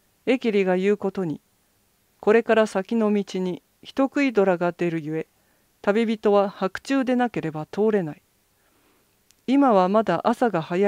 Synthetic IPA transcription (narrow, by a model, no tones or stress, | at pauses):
e̞kʲiɾʲiɡajɯ̟ːko̞t̪o̞ɲ̟i | ko̞ɾe̞kaɾasakʲino̞mʲit͡ɕiɲ̟i | çi̥t̪o̞kɯ̟id̪o̞ɾaɡad̪e̞ɾɯ̟jɯ̟e̞ | t̪abʲibʲit̪o̞βahakɯ̟̥t͡ɕɨːd̪e̞nake̞ɾe̞bat̪ʰo̞ːɾe̞nai | imaβamad̪aʔasaɡahaja